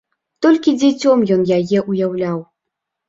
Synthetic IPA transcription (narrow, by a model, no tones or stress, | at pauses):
t̪ɔlʲkʲid͡zʲɛt͡sʲɔmjɔnjajɛʔujawlʲaw